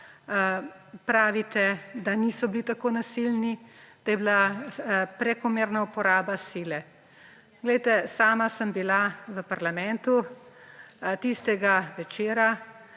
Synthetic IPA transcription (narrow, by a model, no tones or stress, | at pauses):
pɾaːʋit̪ɛd̪aniːsɔbilit̪akoːnasilnid̪̥ajɛbila | pɾɛkɔmeːɾnaupɔɾaːbasiːlɛ | ɡ̥lɛjt̪ɛsaːmasəmbilaʋəpaɾlamɛnt̪u | t̪ist̪ɛɡaʋɛt͡ʃeːɾa